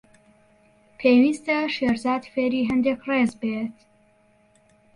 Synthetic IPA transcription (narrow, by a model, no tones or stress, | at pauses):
pʰejwist̪aʃeːɾzaːd̪feːɾiːɦɛnd̪ekreːzbeːt̪